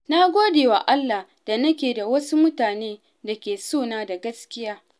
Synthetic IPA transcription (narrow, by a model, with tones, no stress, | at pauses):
na˦ɡʷoː˦deː˨wa̰˨ʔa˦lːa˨h | d̥a˨nɐ˦kʲeː˨da˨wɐ˦su˦mʊ˦taː˨neː˦ | da˨kʲeː˨soː˦˨naː˦da˨ɡɐ˦skʲɪ˦jaː˦